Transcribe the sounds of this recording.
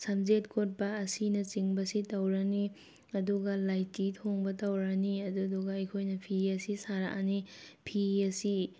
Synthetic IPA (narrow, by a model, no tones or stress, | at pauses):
sɐmzetkʰot̚bɐːsinɐt͡ʃiŋbɐsitɐwɾɐni | ɐduɡɐlajtitʰoŋbɐtɐwɾɐniɐduduɡɐɐjkʰojnɐpʰiɐsisaɾa̰ʔanipʰiɐsi